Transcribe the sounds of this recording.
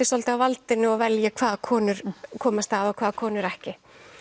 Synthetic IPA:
ɪsɔlt̪ɪawvalt̪ɪnɪɔɣvɛljakʰv̥aːðkʰɔːnʏɾ̥kʰɔːmast̪aðɔkʰv̥aːðkʰɔːnʏɾɛhcɪ

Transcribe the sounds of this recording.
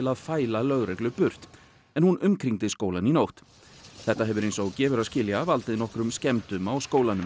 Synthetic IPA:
laðfaːjlalœɣɾɛklʏpʏɾ̥t̪ | ɛnhunʏmkʰɾiŋt̪ɪskoːwlaninowht̪ | θɛht̪ːaɦɛvʏɾejnsɔɣcɛːvʏɾaðscɪːljavalt̪ɪðnɔhkɾʏmscɛmt̪ʏmawskoːwlanʏ

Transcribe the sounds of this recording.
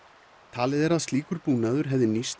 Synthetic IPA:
t̪ʰaːlɪðɛɾaðst̪liːkʏɾpuːnaðʏɾ̥ɦɛvðɪnist̪

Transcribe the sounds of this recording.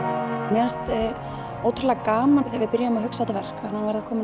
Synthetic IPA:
mɛast̪ | oːwt̪ʰɾʏɾlɛɣakaːmaθɛvɪðpɪɾjaʏmaɦʏksat̪vɛr̥kaanhanvajɾðakʰɔːmɪ

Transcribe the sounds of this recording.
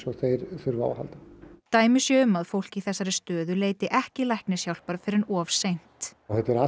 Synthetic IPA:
sɔθejɾfʏɾva̰ːwha̰lt̪at̪aːjmʏsjɛʏmːaðfowl̥ciθɛsːaɾɪst̪œːðʏleːjt̪ɪʔɛhcɪlajhknɪsjawlpaɾfɪɾɪɾnɔːfsejn̥t̪θɛt̪ɛɾa

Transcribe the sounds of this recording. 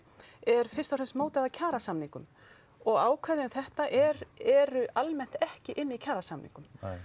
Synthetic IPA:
ɛɾ̥fɪ̥st̪awfrɛsmoːwt̪ɛðacʰaːɾasamniŋkʏm | ɔɣaːwkʰvɛðɪʏmθɛht̪aʔɛɾɛɾʏʔalmɛn̥t̪ɛhcɪʔɪnːɪicʰaːɾasamnḭŋkʏm

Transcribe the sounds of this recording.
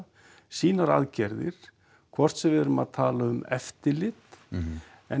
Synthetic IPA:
siːnaɾa̰ðcɛɾðɪ̰ɾ̥ | kʰvɔr̥t̪sɛvɪːðʏɾʏmaðt̪ʰaːlaʏmɛft̪ɪlɪt̪ | ɛ

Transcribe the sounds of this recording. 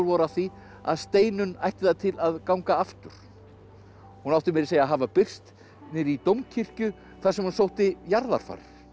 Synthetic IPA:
lvɔɾaθi | a̰ðst̪eːjnʏnajht̪ɪθaðt̪ʰɪlaðkawŋkaaft̪ʏɾ̥ | hunawht̪ɪmɛɾɪɾseːjaɦaːvapɪr̥st̪ | nɪɾit̪owmcʰir̥cʏ | θasɛmhunsowht̪ɪjaɾða̰ɾ̥fa̰r̥

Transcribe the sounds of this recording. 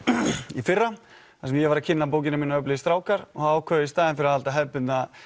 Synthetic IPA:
ifɪrːa | θaɾsɛmjɛvaɾacʰɪnːap̬oːwc̬ɪnamiːnaœplɪst̪ɾaːwkaɾ̥ɔhaaːwkʰœːðɪist̪aːðɪnfɪɾahalt̪aɦɛpʏt̪na

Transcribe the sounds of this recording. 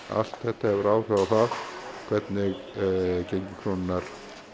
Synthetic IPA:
a̰l̥t̪θɛht̪ahɛvʏɾaːwr̥aðaθaðkʰv̥ɛt̪nɪɣcejɲcɪkʰɾɔnɪnːaɾ̥

